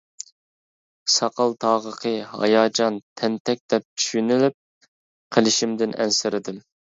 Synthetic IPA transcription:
sɑqɑlˠt̪ʰɑːʁəqʰəhɑ̰jɑːd͡ʒɑnt̪ʰɛnt̪ʰɛk̚ʲd̪ɛp̚t͡ʃʰy̥ʃynylyp̚ | qʰəlˠɪʃimd̪ɪnʔɛ̰nsɪɾɪd̪ɪm

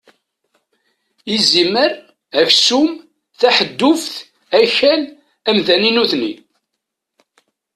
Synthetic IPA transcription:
iziməɾ | æçsum | θæħəd̪ːʊfθ | æçæl | æmðæninuθnḭ

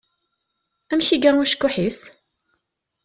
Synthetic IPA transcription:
æmçiɡæʊʃkːʊħis

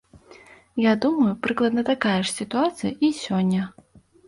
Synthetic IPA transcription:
jad̪umɐjupɾɨklˠɐd̪nɐt̪akajɛʂsʲit̪uat̪sɨjɐʔisʲɔnʲːɐ

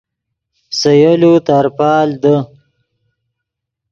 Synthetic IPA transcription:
səjəlut̪aɾpɑːld̪ə

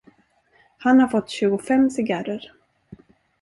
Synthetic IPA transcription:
hanhaɾfɔt̪ːɕʉ̟ːɡʊfɛmsɪɡaɾəɾ

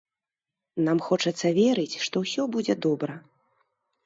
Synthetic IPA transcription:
namxɔt͡ʂɐt̪sːɐvʲɛɾɨt͡sʲʂt̪ɔwsʲɔbud͡zʲɛd̪ɔbɾɐ

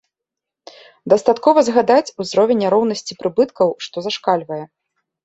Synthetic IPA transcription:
d̪ɐst̪at̪kɔvɐzɣad̪at͡sʲuzɾɔvʲɛnʲːaɾɔwn̪ɐsʲt͡sʲipɾɨbɨt̪kɐwʂt̪ɔzaʂkalʲvɐjɛ

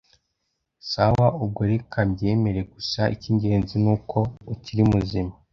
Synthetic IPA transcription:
sawaub̚ɡoɾekʰamɟe̞ːme̞ɾeɡusaʔiciɲɟe̞ːnzinuːkʰo̞uciɾimuzima

